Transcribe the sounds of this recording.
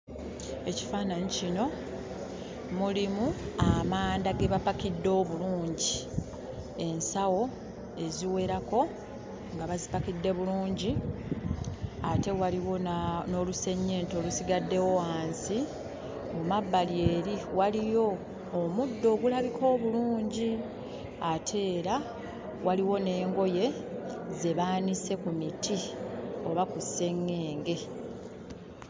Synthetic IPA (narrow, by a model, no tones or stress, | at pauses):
e̞ci̥faːnaɲicino̞ | mulimuamaːndaɡe̞βapakidːo̞ːβuluːɲɟi | e̞nsawo̞ | e̞ziwe̞ɾako̞ | ŋɡaβazipakidːe̞βuluːɲɟi | ate̞waliwo̞no̞luse̞ɲːe̞ːnto̞lusiɡadːe̞wo̞waːnsi | mumabːalie̞ːɾiwalijo̞ː | mudːo̞ːɡulaβikʰo̞ːβuluːɲɟi | atʰe̞ːɾa | waliwo̞ne̞ːŋɡo̞je̞ze̞βaːnise̞kumitʰio̞βakusːe̞ŋːe̞ːŋɡe̞